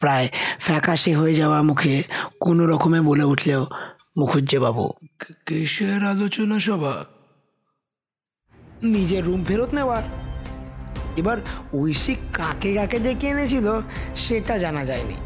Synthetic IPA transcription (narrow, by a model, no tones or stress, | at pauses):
pɾaefʰɛkaʃiɦoed͡ʑaoamukʰekonoɾɔkomeboleuʈʰleo | mukʰud͡ʑebabṵkiʃeɾalot͡ɕonaʃɔbʱa̰ | nid͡ʑeɾːumpʰeɾot̪newaɾ | ebaɾujsikãkekãked͡ʒekenet͡ʃʰiloʃeʈad͡ʑanad͡ʑajnḭ